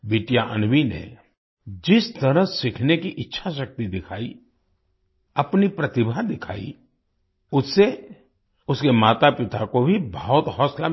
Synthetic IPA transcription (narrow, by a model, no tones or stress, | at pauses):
biːʈjaʔɐnbinḛ | d͡ʒɪst̪ɐɾəɦsɪkʰnekiʔɪtːʃʰaʃɐk̚t̪id̪ɪkʰaːi | ɐpnipɾɐt̪ɪbʱad̪ɪkʰa̰ːḭ | ʊsːe | ʊskemaːt̪apɪt̪akobʱibəɦɔt̪ɦɔːsla